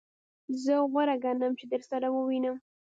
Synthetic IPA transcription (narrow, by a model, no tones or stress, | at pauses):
zəɣaɾaɡɑnamt͡ʃed̪əɾsaɾawəwinəm